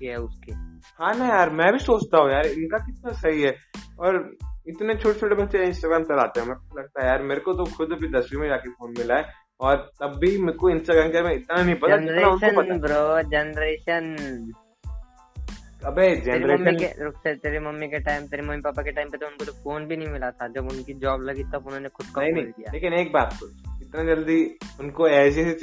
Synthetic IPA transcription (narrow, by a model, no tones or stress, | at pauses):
kɛʊskeɦãːnɐɦijaːɾmɛ̃bʱisoːt͡ʃt̪aɦũjaːɾɪnkakɪt̪̚nasɐɦiɦɛɔːɾɪt̪net͡ʃʰoːʈet͡ʃʰoːʈebɐtːʃeɪ̃nsʈaːɡɾaːmtɐlaːt̪eɦɛ̃mɛ̃kʊlɐɡ̚t̪aɦɛjaːɾmeːɾekot̪okʰʊd̪bʱid̪ɐsbʱimẽd͡ʒaːkefoːnmɪlaɛ | ɔːɾt̪ɐbːimkoɪ̃nsʈaːɡɾaːmkjaːɾmɛ̃ɪt̪nanɐɦĩpɐt̪anɪɾnaʊsonpɐt̪abɾod͡ʒɐnɾeːʃən | ɐbʱed͡ʒɛnɾeiḛɾʊkset̪eːɾemɐmːikeʈaːɪmt̪eːɾemɐmːipaːpakeʈaːɪmpet̪oʊnkot̪ofoːnbʱinɐɦĩmɪlat̪ʰad͡ʒɐbʊnkid͡ʒɔːblɐɡit̪ɐbʊnɦõnexʊd̪̚kɐnɐɦĩnɦĩk̪ija̰leːkɪneːk̚baːt̪̚koɪt̪nad͡ʒɐld̪iʊnkoɛːs̬ese